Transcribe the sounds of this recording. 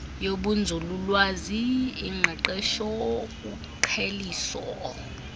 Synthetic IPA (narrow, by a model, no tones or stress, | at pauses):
joɓund͡zʱululwaziːŋ͡ǃʱɛǃɛʃɔk̬ʼu | ǃʰeliːsɔ̰